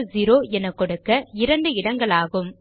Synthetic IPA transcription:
zɪɾoːɛnɐkːɔɽɯkːɐɪɾɐɳɖɯɪɽɐŋɡɐɭaːɣɯm

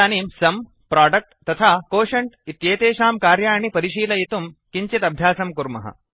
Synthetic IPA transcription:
aːniːmsɐm | pɾaːɖɐk̚ʈt̪ɐt̪ʰaːkoːʃɐɳʈit̪jeːt̪eːʃaːmkaːɾjaːɐɳipɐɾiʃiːlɐjit̪umkiɲt͡ʃit̪ɐbʱjaːsɐmkuɾmɐ̰ɦɐ̰

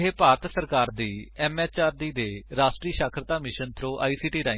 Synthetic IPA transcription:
ɦeːpaːɾt̪səɾkaːɾd̪iːɛːmɛːt͡ʃaːɾd̪iːd̪eːɾaːʃʈɾiːʃaːkʰɾət̪aːmɪʃənt̪ʰɾõːʔa̰ːiːsiːʈiːɾaː

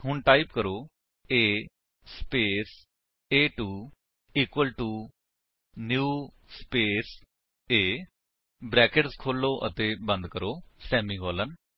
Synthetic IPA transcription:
ɦʊɳʈaːipkəɾoː | eː | speːs | eːʈuː | iːkwəlʈuː | njuː | speːs | eː | bɾɛːkɪʈskʰoːlːoːʔə̰t̪ẽːbə̃nd̪kəɾoːsɛːmĩːɡɔːlən

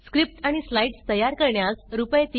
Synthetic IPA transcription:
skɾip̚ʈaɽ̃islaiʈst̪əjaɾkəɾɳjasɾupəjt̪

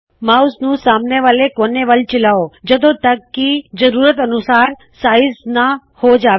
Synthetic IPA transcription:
mausnũsamneʋalekoneʋəlt͡ʃɪlaod͡ʒəd̪ot̪əkːid͡ʒəɾuɾət̪ənusaːɾ | saːisna | hod͡ʒaː

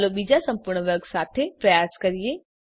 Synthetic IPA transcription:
lobid͡ʒasɐ̃mpʊɾɳʋɐɾksaːt̪ʰepɾɐjaːskɐɾie

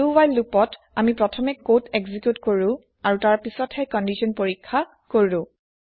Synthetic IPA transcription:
uwajlːupɔt | amipɹɔtʰɔmɛkːotʰeɡzikjutkoɹʊ̃ | aɹutaɹpisɔthɛkɔndisʰɔnpoɹikʰːa | koɹilʊ̃

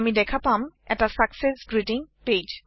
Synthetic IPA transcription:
midɛkʰapamɛ̰ʈasaksesɡɹiʈiŋped͡ʒ

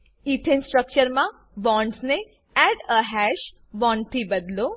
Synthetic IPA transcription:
it̪ʰensʈɾək̚t͡ʃəɾmã | bɔ̃ɳɖsne | ɛɖəɦɛʃ | bɔ̃ɳɖt̪ʰibəd̪lo

